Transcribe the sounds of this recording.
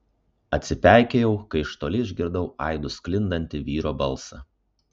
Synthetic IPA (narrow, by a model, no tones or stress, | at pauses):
ɐt̪ʲsʲɪpʲæˑɪkʲejɛʊkɐɪʃt̪oːlʲɪɪʒʲɡʲɪɾd̪ɐʊʔɐ̰ɪd̪ʊsʲklʲɪnd̪ɐnʲt̪ʲɪʋʲiːɾoːbɐlˠsɐ